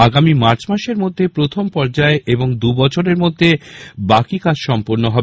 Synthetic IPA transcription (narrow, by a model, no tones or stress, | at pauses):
aɡamimaɾt͡ɕmaʃeɾmod̪ʱːepɾot̪ʰompɔɾd͡ʑaeʔeboŋd̪ubɔt͡ɕʰoɾeɾmod̪ʱːebakikad͡ʑʃɔmpoɾnoɦɔb